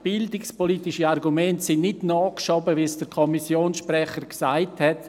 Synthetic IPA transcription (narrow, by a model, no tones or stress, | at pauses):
b̥ɪldɪkspolitɪʃəarɡumɛntsɪnnɪtnɔːkʃɔbəviɛsd̥əɾkʰɔmisjoːnsʃprɛχəɾksaɪthɛt